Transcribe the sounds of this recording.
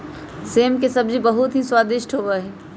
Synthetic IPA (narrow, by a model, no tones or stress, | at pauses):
seːmkesəbd͡ʒibəɦut̪ɦiswaːd̪ɪʃʈʰɦoʋəɦɛ